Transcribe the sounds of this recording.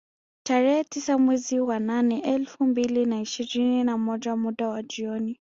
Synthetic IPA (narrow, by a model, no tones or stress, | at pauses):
taɾɛhɛtisamwɛziwananɛʔɛlfumbilinaiʃiɾininamɔʄamuɗawad͡ʒiɔni